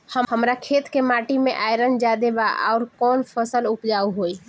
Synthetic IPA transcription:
həhəmɾakʰeːt̪kemaʈimẽʔajɾənd͡ʒad̪ebaa̰ʊɾkɔːnpʰəsəlʊpd͡ʒauɦoːi

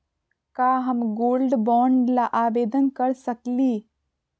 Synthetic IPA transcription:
kaːɦɐmɡoːlɖbɔːɳɖlaʔaːʋeːd̪ənkɐɾsəkliː

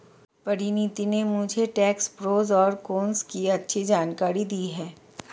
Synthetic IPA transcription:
pɐɾɪnit̪inemʊd͡ʒʱeʈɛːkspɾoːzɔːɾkoːnskiɐtːʃʰid͡ʒaːnkaːɾid̪iːɦɛː

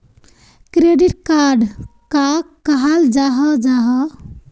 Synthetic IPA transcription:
kɾeɖiʈkaɾɖkakːəɦald͡ʒaɦəd͡ʒaɦɔ

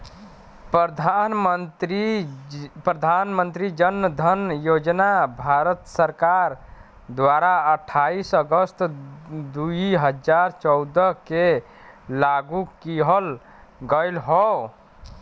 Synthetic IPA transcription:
pd̪ʱanmət̪ɾi | pɾəd̪ʱanmənt̪ɾid͡ʒənːəd̪ʱənjod͡ʒnabʱaɾət̪səɾkaɾ | d̪waɾaəʈʰːaisəɡəst̪d̪uiɦəd͡ʒaɾt͡ʃɔwd̪əke | laɡukiɦəl | ɡəjlɦɔ

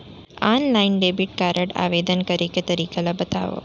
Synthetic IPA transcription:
anlainɖebiʈ̚kaɾəɽa̰ʋed̪ənkəɾiket̪əɾiːkelabət̪a̰ʋo̰

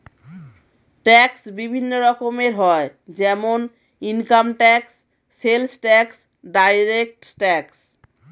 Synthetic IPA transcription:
ʈɛksbibʱinːoɾɔkomeɾɦɔed͡ʑɛmon | inkamʈɛksː | elsʈɛks | ɖajɾek̚ʈʈɛks

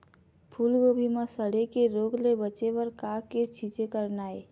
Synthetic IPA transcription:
pʰulɡobʱiməsəɽekeɾoɡlebət͡ʃebəɾkaket͡ʃʰit͡ʃekəɾnae

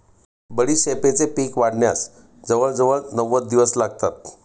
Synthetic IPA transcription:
bəɽiːɕepet͡sepiːkʋaɽɳja̰s | d͡zəʋəɭd͡zəʋəɭnəʋət̪̚d̪iʋəslaɡ̚t̪at̪̚

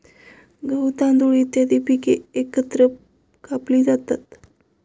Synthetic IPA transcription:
ɡəwt̪ãnd̪uɭiːt̪jad̪ipikeekət̪ɾə | kapliːd͡zat̪at̪

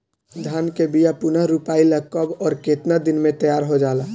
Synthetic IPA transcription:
d̪ʱaːnkebijapʊnəɦɾupaːiləkːəbɔːɾkeːt̪nad̪ɪnmẽt̪əjaːɾɦod͡ʒaːla

